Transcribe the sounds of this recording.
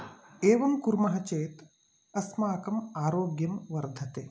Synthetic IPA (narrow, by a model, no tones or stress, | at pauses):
eːʋɐmkuɾmɐɦɐt͡ʃeːt̪ | ɐsmaːkɐmaːɾoːɡjɐmʋɐɾd̪ʱɐt̪eː